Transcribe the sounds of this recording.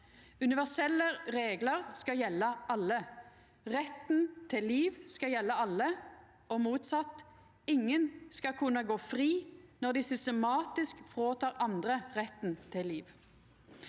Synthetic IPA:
ʉnɪʋæʁsɛlːəʁeːɡləʁskɑjɛlːəʔɑlːə | ʁɛt̪n̩t̪ʰɪlːiːʋskɑjɛlːəɑlːə | ɔmuːt̪sɑt̪ | ɪŋːənskɑkʰʉnːəɡoːfʁiːnɔʁd̪ɪsʏst̪əmɑːt̪ɪskfʁoːt̪ʰɑːʁɑnd̪ʁəʁɛt̪n̩t̪ʰɪlːiːʋ

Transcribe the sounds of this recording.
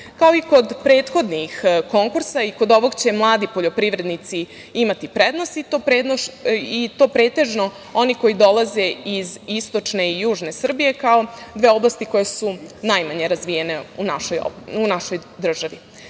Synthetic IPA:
kao̞iko̞d̪pɾe̞ːt̪xo̞d̪nixko̞ŋkuɾsaiko̞d̪o̞ʋo̞ɡt͡ɕe̞mlˠaːd̪ipo̞ʎo̞pɾiʋɾe̞d̪nit̪si | imat̪ipɾed̪no̞sit̪opɾed̪oit̪o̞ːpɾe̞ːt̪e̞ʒno | o̞niko̞jid̪o̞laze̞izist̪o̞t͡ʂne̞ijuːʒne̞sr̩bije̞kao̞d̪ʋe̞ːo̞blˠast̪iko̞jesunajmaɲe̞ɾazʋije̞neunaʃojo̰unaʃo̞jd̪r̩ʒaʋi

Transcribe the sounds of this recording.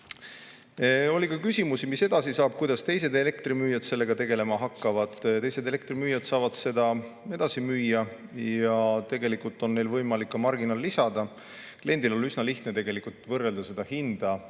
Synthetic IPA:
o̞lʲikɑkysimusimise̞d̪̥ɑsisɑːb̥̚kujd̪ɑst̪e̞jse̞d̪e̞le̞kt̪rimyːjɑd̪̥se̞lːe̞ɡ̥ɑt̪e̞ɡ̥e̞le̞mɑɦɑkːɑvɑd̪̥t̪e̞jse̞d̪ele̞k̚t̪rimyːjɑd̪̥sɑːvɑd̪̥se̞d̪̥ɑe̞d̪̥ɑsimyːjːɑjɑt̪e̞ɡe̞likˑult̪ːˑo̞nnːe̞jlvɤjmɑlikːɑmɑrɡinɑlːisɑd̪̥ɑ | kle̞nd̪ilo̞lysnɑliht̪net̪eɡ̥e̞likˑult̪ˑvɤrːe̞ld̪̥ɑse̞d̪̥ɑhind̪̥ɑ

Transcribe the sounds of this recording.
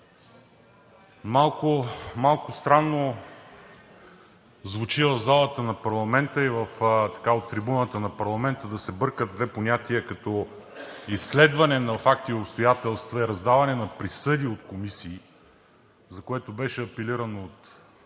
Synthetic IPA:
malˠkʊmalˠkʊst̪ɾanːo | zvʊt͡ʃivəvzalˠət̪ənɐpɐɾlˠɐmɛnt̪əivəft̪ɐ̥kaot̪ːɾibunət̪ənɐpɐɾlˠɐmɛnt̪əd̪ɐsɛbɤɾkəd̪vɛponʲat̪iəkɐt̪ɔ | isːlɛd̪vɐnɛnɐfak̚t̪iopst̪ojat̪ɛlˠst̪vɐɛɾɐzd̪avɐnɛnɐpɾisɤd̪iot̪komisiː | zɐkoɛt̪obɛʃɛɐpɛliɾɐnoot̪

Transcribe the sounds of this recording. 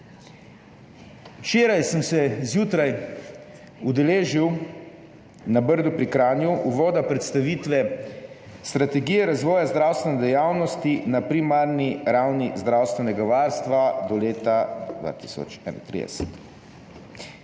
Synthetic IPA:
wt͡ʃeːɾajsəmsɛzjuːt̪ɾaj | ud̪ɛleːʒiw | nabəɾd̪upɾikɾaːnjuʔuʋɔːd̪apɾɛt̪st̪aʋiːt̪ʋɛ | st̪ɾat̪ɛɡijɛɾazʋɔːjazd̪ɾawst̪ʋɛnɛd̪ɛjawnɔst̪inapɾimaɾniɾawnizd̪ɾawst̪ʋɛnɛɡaʋaɾst̪ʋad̪ɔleːt̪ad̪ʋa̰t̪i̥sɔ̰t͡ʃɛ̰na̰t̪ɾḭd̪ɛ̰sɛ̥̰t̪

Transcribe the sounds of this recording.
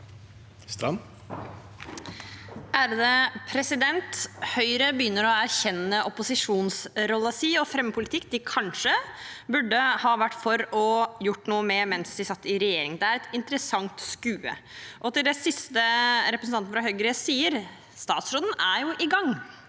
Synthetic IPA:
st̪ɑn | ʔæɾd̪ɛpʰɾɛsɪd̪ɛnt̪hœʏɾəbəjʏnːəɾɔæɾçɛnːəʔɔpʊsɪʂuːnsɾɔlːəsiːɔfɾɛməpʰʊlɪt̪ʰɪkːd̪ɪkʰɑnʂəbʉɖːəhɑːʋæʈːfɔɾɔjʊʈːnuːəmɛmɛnsd̪ɪsɑt̪ːɪɾɛjeːɾɪŋd̪ɛæɾɛt̪ɪnt̪əɾəsɑŋt̪skʉːə̰ʔɔt̪ɪld̪ɛsɪst̪əɾɛpɾəsnɑɾɑɦœʏɡɾɪəsiːəɾ | st̪ɑːt̪sɾoːd̪n̩æɾjʊʔɪɡɑŋː

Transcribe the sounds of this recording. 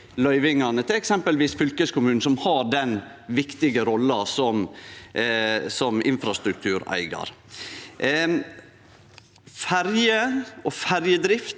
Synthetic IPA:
lœʏʋɪŋɑnət̪ʰɪlɛksɛmpəlʋiːsfʏlkəskʊmʉːn̩sɔmhɑɖɛn | ʋɪkt̪ɪɡəɾɔlːɑsɔm | sɔmɪ̰nfɾɑst̪ɾʉk̚t̪ʰʉːɾæ̰ɪɡɑ̰ɾ | fæɾjəʔɔfæɾjəd̪ɾɪft̪

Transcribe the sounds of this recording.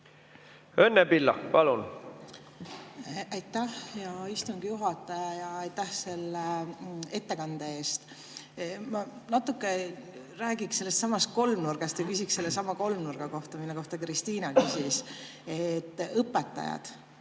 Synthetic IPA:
ønːepilːɑ̰kpɑlun | ʔɑjt̪ːˑæhjɑist̪uŋɡ̥ijuɦɑt̪ːˑɑjɑjɑɑjt̪ːæhse̞lːee̞t̪ːekɑnd̪̥ee̞ːst̪ | mɑnɑt̪ːˑukːˑe | ɾæːɡ̥ikse̞lːest̪sɑmɑst̪̚ko̞lmnurɡ̥ɑst̪jɑkysʲikse̞lːesɑmɑko̞lmnurɡ̥ɑko̞ht̪ɑminoko̞ht̪ɑkrist̪iːnɑkysis | et̪ːɤpːˑet̪ːˑɑ̰jɑ̰d̪̥

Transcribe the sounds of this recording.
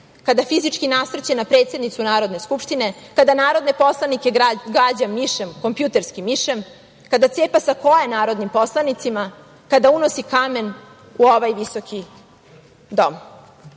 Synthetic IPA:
kad̪afizit͡ʃkinasɾet͡ɕenapɾe̞ːt̪sje̞d̪nit̪sunaːɾo̞d̪ne̞skupʂt̪ine̞kad̪anaːɾo̞d̪nepo̞slanike̞ɡɾad͡ʑamːiʃemko̞mpjut̪e̞ɾskimiʃem | kad̪at̪seːpasako̞jenaːɾo̞d̪nimpo̞slˠanit̪sima | kad̪auno̞sikame̞n | uoʋajʋiso̞kʰi | d̪o̞m

